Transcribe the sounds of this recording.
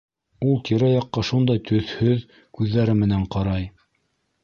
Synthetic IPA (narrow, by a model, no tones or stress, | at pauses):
ulˠt̪iɾæjɑqːɑʃund̪ɑjt̪ʰɵ̆θhɵð | kʉðːæɾɘmɘ̆næɴqɑɾɑj